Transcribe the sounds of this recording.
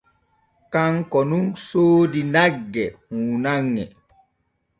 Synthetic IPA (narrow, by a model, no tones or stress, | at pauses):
kaŋkɔnunsoːdinaɡːɛhuːnaŋːɛ̰